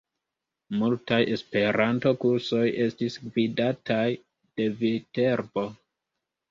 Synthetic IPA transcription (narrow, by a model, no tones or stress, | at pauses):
multajʔe̞spe̞ɾanto̞kuɾso̞jʔe̞stisɡvidataj | d̥e̞vite̞ɾbo̞